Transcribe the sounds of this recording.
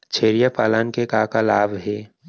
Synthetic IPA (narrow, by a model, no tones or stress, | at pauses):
t͡ʃʰeːɾijapaːlaːnkekaːkalaːbʱɦɛː